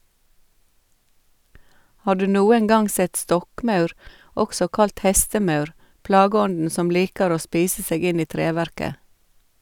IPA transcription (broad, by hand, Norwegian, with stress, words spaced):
ˈhɑː ˈɖʉː ˈnuːəŋ ˈɡɑŋ ˈsɛt ˈstɔkˌmɑʉɾ ˈɔksɔ ˈkɑlt ˈhɛstəˌmɑʉɾ ˈplɑːɡəˌɔndn̩ ˈsɔm ˈliːkəɾ ˈoː ˈspiːsə ˈseːɡ ˈɪn ˈiː ˈtɾeːˌʋæɾkə